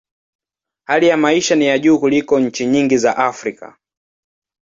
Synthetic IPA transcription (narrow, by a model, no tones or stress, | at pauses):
halijamaiʃanijaʄuːkulikɔɲ̩t͡ʃiɲiŋɡizaʔafɾika̰